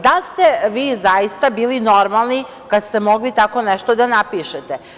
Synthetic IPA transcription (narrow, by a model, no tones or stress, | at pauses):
d̪alst̪eʋiːzajist̪abiːlino̞ɾmalˠni | kad̪st̪e̞mo̞ɡlit̪ako̞nɛʃt̪od̪anapiʃet̪e